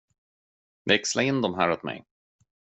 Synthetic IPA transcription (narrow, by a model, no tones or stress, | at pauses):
vɛkslaɪnːd̪ɔmɦæːɾɔt̪mɛ̰j